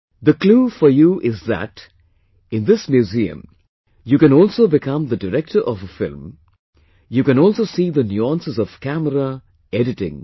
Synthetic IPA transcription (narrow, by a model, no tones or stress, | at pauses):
d̪əkluːfɔɾjuʔɪzðæ̰ʈ | ɪ̃nd̪ɪsmjuziə̰̃m | jukɨ̃nɔːlsoːbɪkʰʌ̃md̪əɖɨɾɛk̚ʈəɾʔɔvəfɪ̰lm | juːkɨ̃nɔːlsoːsiːd̪ənjuãnsɪzɔʋ̥kæməɾə | eɖɪʈɪ̰̃ŋ